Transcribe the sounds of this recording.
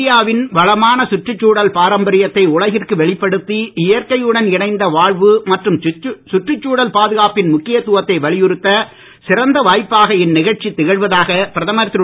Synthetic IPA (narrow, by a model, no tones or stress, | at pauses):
ɪjaːʋɪnʋɐɭɐmaːnɐsʊʈrɯt͡ʃːuːɽɐlpaːɾɐmbɐɾɪjɐt̪ːɐɪʊɭɐɣɪrkɯʋɛɭɪpːɐɽɯt̪ːiɪjɐrkɐjɯɽɐnɪɳɐɪnd̪ɐʋaːɻʋɯmɐʈrɯmsʊʈrɯt͡ʃːuːɽɐlpaːðɯɣaːpɪnmʊkːɪjɐt̪ʊʋɐt̪ːɐɪʋɐɭɪjɯɾɯt̪ːɐ | sɪɾɐnd̪ɐʋaːjpːaːɣɐɪnːɪɣɐɻt͡ʃit̪ːɪɣɐɻʋɐðaːɣɐpɪɾɐðɐmɐɾt̪ːɾ